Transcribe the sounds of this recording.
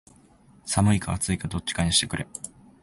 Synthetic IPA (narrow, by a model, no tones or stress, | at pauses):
samɯ̟ikaat͡sɨikad̪o̞t͡ɕːi̥kaɲiɕi̥t̪e̞kɯ̟ɾʔe̞